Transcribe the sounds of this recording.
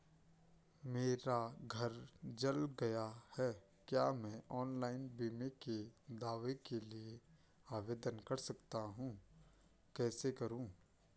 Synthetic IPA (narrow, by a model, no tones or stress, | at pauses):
meːɾaɡʱɐɾd͡ʒɐlɡɐjahɛː | kjaːmɛ̃ʔɔːnlaːɪnbiːmeked̪aːʋekelie | aːʋeːd̪ənkɐɾsɐkt̪aɦũ | kɛːsekɐɾũː